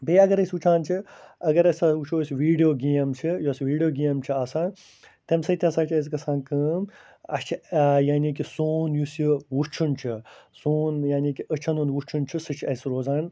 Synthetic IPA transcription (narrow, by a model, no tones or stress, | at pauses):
beːɐɡɐɾɐsʲut͡ʃʰaːnt͡ʃʰiɐɡɐɾɐsʲaut͡ʃʰoːsʲʋiːɖijoːɡeːmt͡ʃʰijoːsʋiːɖijoːɡeːmt͡ʃʰiaːsãːn | t̪emsɐt̪ʲiɐsaːt͡ʃʰɐs̬ikɐsãːnkəm | ɐ̰t͡ʃʰjaːnikisoːnjusiʋut͡ʃʰunt͡ʃʰisoːnjaːniːkiət͡ʃʰɐnunʋut͡ʃʰunt͡ʃʰisɐt͡ʃʰɐsɾoːzaːn